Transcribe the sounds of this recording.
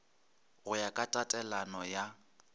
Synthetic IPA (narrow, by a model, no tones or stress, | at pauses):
ɣʊjakʼatʼatʼɛlanɔja